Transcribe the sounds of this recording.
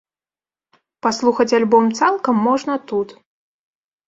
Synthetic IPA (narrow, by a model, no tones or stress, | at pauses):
paslˠuxɐt͡sʲalʲbɔmt̪salˠkɐmːɔʐnɐt̪ut̪